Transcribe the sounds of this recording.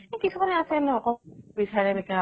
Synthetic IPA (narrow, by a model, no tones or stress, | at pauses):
ekitʰumanɛasɛnɛɔkɔbisʰaɹɛbɛka